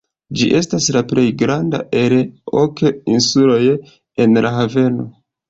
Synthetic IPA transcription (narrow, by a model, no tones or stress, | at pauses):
d͡ʒḭʔe̞staslaple̞jɡɾanda̰ʔe̞lo̰keinsulo̞j | e̞nlaɦave̞no̞